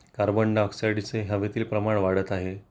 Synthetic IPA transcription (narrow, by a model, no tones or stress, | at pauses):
kaɾbəɳɖɔksajɽt͡seɦjəʋet̪iːlpɾəmaɳ̃ʋaɽət̪aɦe